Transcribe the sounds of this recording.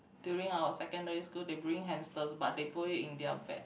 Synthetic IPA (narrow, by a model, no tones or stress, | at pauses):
djuɹĩŋawəsɛkə̃ndəɹiskuldebɹĩŋɦɛ̃mstəsbadepɔjiĩndiafɛ̰